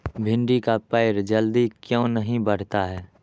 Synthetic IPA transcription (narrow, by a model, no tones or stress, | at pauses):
bʱɪ̃ɳɖikapəɪɾd͡ʒəld̪ikjõːnəɦĩbəɽ̤t̪aɦɛː